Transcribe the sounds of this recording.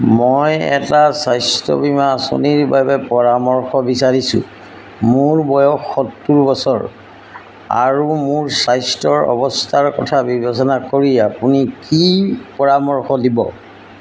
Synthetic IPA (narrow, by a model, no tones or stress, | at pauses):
mɔjɛ̰tasajstɔ̰bimaso̰niɹbabɛpɔɹamɔɹxɔbisaɹisʊ̰ | mʊɹbɔjɔxːɔtːuɹbɔsɔɹ | a̰ɹumʊɹsajstɔɹɔ̰bɔstʰaɹkɔtʰabibesɔnakoɹiapunikipɔɹamɔɹxɔdibɔ̰